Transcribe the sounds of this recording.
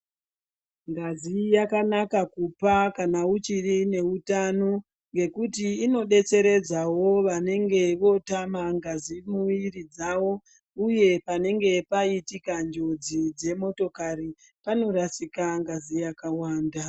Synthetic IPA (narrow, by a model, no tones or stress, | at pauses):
ŋɡazijakanakakupakanaut͡ʃirine̞utano̞ | ŋɡe̞kutiːno̞ɗe̞t͡se̞ɾe̞d͡zawo̞ʋane̞ŋɡe̞ʋo̞tamaŋɡazimuʋirid͡zawo̞ | uje̞pane̞ŋɡe̞paitikand͡ʒo̞d͡zid͡ze̞mo̞to̞kaɾi | pano̞ɾasikaŋɡazijakawaːnda